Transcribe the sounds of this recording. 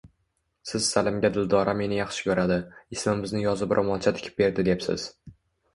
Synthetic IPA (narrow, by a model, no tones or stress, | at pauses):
sɪz̥salɪmɡʲad̪ɪld̪ɒɾʔame̞nɪjɑχʃɪ̥kʲʰɵɾad̪ɪɪsmɪmɪznɪjɒzɪbɾʔɒmɒnˠt͡ʃʰat̪ʰɪ̥kʰʲɪ̥p̚be̞ɾd̪ɪd̪epsɪ̰z̥